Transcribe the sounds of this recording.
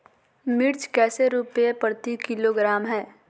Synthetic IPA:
mɪɾt͡ʃkɛːseɾuːpepəɾt̪ikɪloɡɾaːmɦɛː

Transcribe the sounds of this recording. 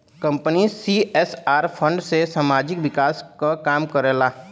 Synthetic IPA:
kə̃mpənisiʔɛːsaːɾpʰə̃ɳɖsesaːmaːd͡ʒɪkʋɪkaːskakaːmkəɾelaː

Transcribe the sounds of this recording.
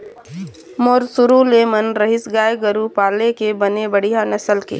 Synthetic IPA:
moːɾsʊɾuleːmənɾɐɦɪsɡaːjɡəɾupaːlekebɐnebɐɽijɦanɐsəlkḛː

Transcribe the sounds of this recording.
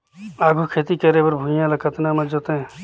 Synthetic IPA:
aːɡʱukʰeːt̪iːkɐɾeːbəɾbʱũjãːlɐkʰɐt̪naːmãd͡ʒot̪ẽ

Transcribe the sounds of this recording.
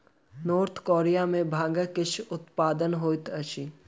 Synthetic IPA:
noːɾt̪ʰkoːɾijamẽbʱãːŋɡəkɪt͡ʃʰʊt̪paːd̪ənɦoːɪt̪ɐt͡ʃʰi

